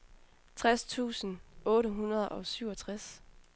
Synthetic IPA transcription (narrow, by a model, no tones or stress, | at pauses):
t͡sʰʁast͡sʰṵːsn̩ɔ̽ːɾəɦunɐð̞ˠʔɒ̽syʊ̰ɒ̽t͡sʰʁas